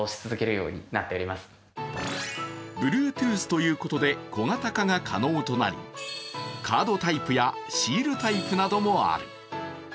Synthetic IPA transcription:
oɕi̥t͡sɨzɨke̞ɾɯ̟jo̞̰ːɲ̟ḭnat̪ːe̞oɾʲimasɨ̥ | bɯ̟ɾɯ̟ːt̪ɯ̟ːsɨ̥t̪o̞jɯ̟ːko̞t̪o̞d̪e̞ko̞ŋat̪akaɡakʰa̰no̞ːt̪o̞na̰ɾʲḭ | kʰaːd̪o̞t̪aipɯ̟jaɕiːɾɯ̟t̪aipɯ̟nad̪o̞mo̞a̰ɾɯ̟

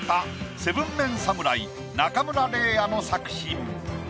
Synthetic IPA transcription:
ase̞bɯ̟̃mːẽ̞ñsamɯ̟ɾai | nakamɯ̟ɾaɾe̞ːano̞sakɯ̟̥ɕi

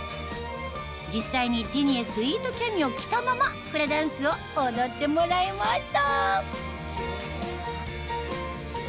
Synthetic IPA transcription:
d͡ʑisːaiɲ̟id͡ʑiɲ̟iesɨiːt̪o̞kʲamʲio̞kʲi̥t̪amamapɯɾed̪ãɰ̃sɨo̞ːd̪o̞t̪ːe̞moɾaimaɕi̥t̪a

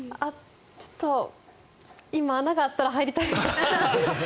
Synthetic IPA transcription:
a | t͡ɕo̥t̪ːo | imaːnaɡaːt̪ːaɾaɦaiɾʲit̪ait̪e

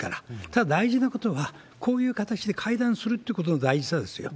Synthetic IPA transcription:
kaɾat̪ad̪ad̪aiʑinako̞t̪o̞βa | kʰo̞ːjɯ̟ːkat̪at͡ɕid̪e̞kʰaid̪ãɰ̃sɨɾɯ̟t̪ːeiɯ̟kot̪o̞nod̪aiʑisad̪e̞sɨjo̰

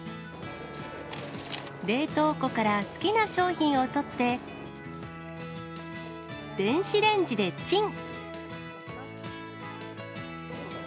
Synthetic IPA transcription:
ɾe̞ːt̪o̞ːko̞kaɾasɨ̥kʲinaɕo̞ːçĩɰ̃o̞t̪o̞t̪ːe̞ | d̪ẽ̞ɰ̃ɕiɾẽ̞ɲd͡ʑid̪e̞t͡ɕĩŋ

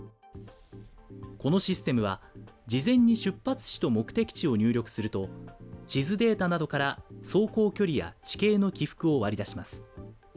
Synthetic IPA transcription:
ko̞no̞ɕisɨ̥t̪e̞mɯ̟β̞ad͡ʑizẽ̞ɲ̟ːiɕɨpːat͡sɨ̥ɕi̥t̪o̞mo̞kɯ̟̥t̪e̞kʲi̥t͡ɕio̞ɲ̟ɨːɾʲo̞kɯ̟̥sɨɾɯ̟t̪o̞t͡ɕizɨd̪e̞ːt̪anad̪o̞kaɾaso̞ːko̞ːkʲo̞ɾʲija̰t͡ɕi̥ke̞ːno̞kʲiɸɯ̥kɯ̟o̞βaɾʲid̪aɕimasɨ̥

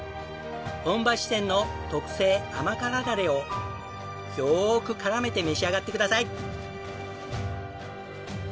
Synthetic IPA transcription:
õ̞mbaɕi̥sẽ̞nːo̞t̪o̞kɯ̟̥se̞ːamakaɾaɡaɾe̞o̞ | joːkɯ̟kaɾame̞t̪e̞me̞ɕiaɡat̪ːe̞kɯd̪asai

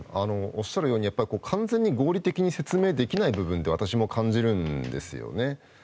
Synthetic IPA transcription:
ano̞oɕːaɾɯ̟jo̞ːɲ̟ijapːaɾʲikoːkʰãnzẽ̞ɲ̟ːiɡo̞ːɾʲit̪e̞kʲiɲ̟ise̞t͡sɨme̞ːd̪e̞kʲinaibɯ̟bɯ̃nd̪e̞β̞at̪aɕimo̞kʰãɲ̟d͡ʑiɾɯ̟̃nd̪e̞̰sɨjo̰ne̞

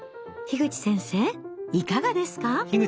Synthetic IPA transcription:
çiɡɯ̟t͡ɕi̥sẽ̞ɰ̃se̞ːikaɡad̪e̞sɨ̥kaçiɡɯ

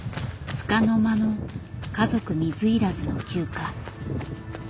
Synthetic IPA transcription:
t͡sɨ̥kano̞mano̞kazo̞kɯ̟mʲizɨiɾazɨno̞kʲɨːka

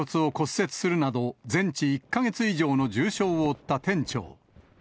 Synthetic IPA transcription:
ot͡sɨo̞ko̞sːe̞t͡sɨ̥sɨɾɯ̟nad̪o̞d͡zẽ̞ɲ̟t͡ɕiːkːaɡe̞t͡sɨiʑo̞ːno̞d͡ʑɨːɕo̞ːoːt̪ːat̪ẽ̞ɲt͡ɕo̞̰ː

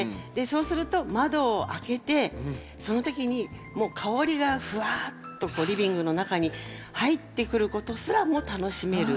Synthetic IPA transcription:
d̪e̞so̞ːsɨɾɯ̟t̪o̞mad̪o̞ːʔake̞t̪e̞ | so̞no̞t̪o̞kʲiɲ̟i | mo̞ːkʰao̞ɾʲiɡaɸɯ̟at̪ːo̞ko̞ːɾʲibʲĩŋɡɯ̟no̞nakaɲ̟ihait̪ːe̞kɯ̟ɾɯ̟ko̞t̪o̞sɨɾamo̞ːt̪ano̞ɕime̞ɾɯ̟

